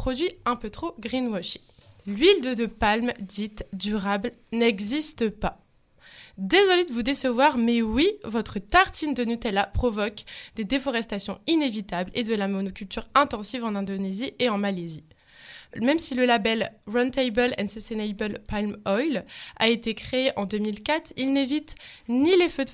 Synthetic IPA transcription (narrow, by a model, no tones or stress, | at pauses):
pχɔd̪ɥiɛ̃pøt̪χoɡʁinwɔʃilɥild̪əd̪əpalmd̪it̪d̪yʁablnɛɡzist̪əpa | d̪ezɔled̪əvud̪esəvwaʁmɛwivɔt̪χət̪aʁt̪ind̪ənut̪ɛlapχɔvɔkd̪ed̪efɔʁɛst̪asjɔ̃inevit̪abled̪əlamɔnokʲylt̪yʁɛ̃t̪ɑ̃sivɑ̃nɛ̃d̪onezieɑ̃malezi | mɛmsiləlabɛlʁɔ̃nt̪ɛjbœlɛ̰səsenɛjbəlpalmɔjla̰et̪ekχeːʔɑ̃d̪ømilkʲat̪χilnevit̪nilefød̪